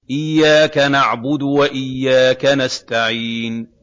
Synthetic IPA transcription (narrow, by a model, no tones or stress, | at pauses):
ʔɪjːaːkanaʕbʊd̪waʔɪjːaːkanast̪aʕiːn